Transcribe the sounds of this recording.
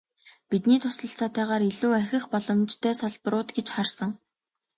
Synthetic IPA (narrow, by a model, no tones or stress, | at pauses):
pit̪niːt̪ʰʊsə̆ɬt͡saːt̪ʰæːʁaːɾeɮuːæxʲɪ̆xpɔɮɞ̆mt͡ɕt̪ʰœːsaɮpɾʊːt̪ɡet͡ɕχarsə̆ŋ